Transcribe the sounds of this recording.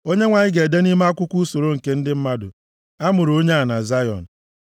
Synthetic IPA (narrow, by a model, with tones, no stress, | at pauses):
o˦ɲe˦ŋʷa˨ɲɪ˦ɡe˨de˦ni˦ma˦a˦kʷʊ˦kʷu˦so˨ɾo˦ŋ̩˨ke˦n̩˦dɪ˦m̩˦ma˦dʊ̰˨ | a˦mʊ˨ɾo˦ɲe˦a˨na˨za˦jɔ̰˨n̩˨